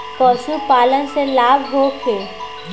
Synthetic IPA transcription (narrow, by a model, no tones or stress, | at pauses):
pɔːsupaːlənselaːbɦoːkʰeː